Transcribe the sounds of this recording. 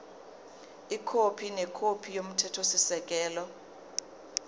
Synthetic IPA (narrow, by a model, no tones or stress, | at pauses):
ikʰopʰinɛkʰopʰijom̩tʰɛtʰosisɛk̬ʼɛːlɔ